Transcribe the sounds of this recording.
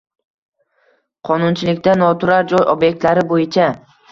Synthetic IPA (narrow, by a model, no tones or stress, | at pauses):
qʰɒnʊnt͡ʃʰɪlɪkʲt̪anɒt̪ʰʊɾaɾd͡ʒɒjʔobje̞k̚ʲt̪laɾɪbojɪt͡ʃʰa